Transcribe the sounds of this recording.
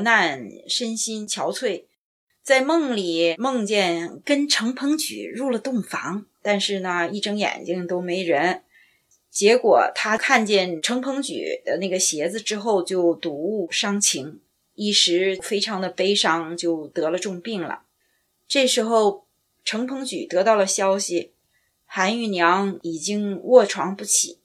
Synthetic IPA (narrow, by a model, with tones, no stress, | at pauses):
na˥˩nʂə˥nɕi˥nt͡ɕʰjɑ˧˥ʊt͡sʰwe˥˩ɪ | t͡sa˥˧ɪmɤ˥˩ŋli˨˩mɤ˥˧ŋt͡ɕjɛ˥˩nkə˥nʈ͡ʂʰɤ˧˥ŋpʰɤ˧˥ŋt͡ɕy̰˨˩ɻu˥˩lə˩t̪ʊ˥˩ŋfɑ˧˥ŋt̪a˥˧nʂɻ̩˥˩nə˩i˥˩ʈ͡ʂɤ˥ŋjɛ̰˨˩nt͡ɕi˥ŋt̪o˥ʊme˧˥ɪɻə˧˥n | t͡ɕjɛ˧˥kwɔ̰˨˩t̪ʰa˥kʰa˥˧nt͡ɕjɛ˥˩nʈ͡ʂʰɤ˧˥ŋpʰɤ˧˥ŋt͡ɕy̰˨˩d̪ə̰˧˦na˥˩ɡə˩ɕjɛ˧˥d͡zɹ̩˧ʈ͡ʂɻ̩˥xo˥˧ʊt͡ɕjo˥˧ʊt̪u˧˥u˥˩ʂɑ˥ŋt͡ɕʰi˧˥ŋ | i˥˩ʂɻ̩˧˥fe˥ɪʈ͡ʂʰɑ˧˥ŋd̪ə˧pe˥ɪʂɑ˥ŋt͡ɕjo˥˩ʊt̪ɤ˧˥lə˧ʈ͡ʂʊ˥˧ŋpi˥˩ŋlə̰˩ | ʈ͡ʂɤ˥˩ʂɻ̩˧˥xo˥˩ʊ | ʈ͡ʂʰɤ˧˥ŋpʰɤ˧˥ŋt͡ɕy̰˨˩t̪ɤ˧˥t̪ɑ˥˩ʊlə˩ɕjɑ˥ʊɕi˨˩ | xa˧˥ny˥˩njɑ˧˥ŋi˨˩t͡ɕi˥ŋwɔ˥˩ʈ͡ʂʰwɑ˧˥ŋpu˥˩t͡ɕʰḭ˨˩˦